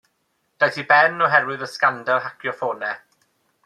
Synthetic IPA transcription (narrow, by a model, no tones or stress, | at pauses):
d̥ajθibɛnɔɦɛɾwɪðəskandalˠɦakʰjɔfoːnɛ